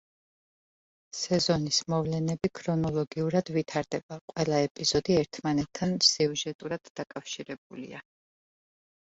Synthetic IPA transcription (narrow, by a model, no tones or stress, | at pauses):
sɛzɔnismɔvlɛnɛbikʰɾɔnɔlˠɔɡiuɾad̪̥vit̪ʰaɾd̪ɛbaqʼwɛlˠaɛpʼiz̥ɔd̪iɛɾt̪ʰmanɛt̪ʰːansɛuʒɛt̪ʼuɾad̪̥ːakʼafʃiɾɛb̚ulḭa